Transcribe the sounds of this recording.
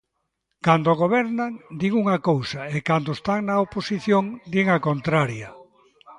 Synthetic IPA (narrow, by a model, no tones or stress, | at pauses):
kand̪oɣ̞oβɛɾnaŋd̪iŋuŋakowsɐekand̪oest̪aŋnɐoposiθjoŋd̪iŋɐkont̪ɾaɾjɐ